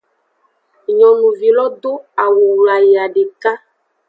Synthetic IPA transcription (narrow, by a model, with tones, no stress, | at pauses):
ɲɔ̃˨nũ˨vi˨lɔ˦d̪o˦a˨wu˨wla˨je˨a˨ɖe˨ka˦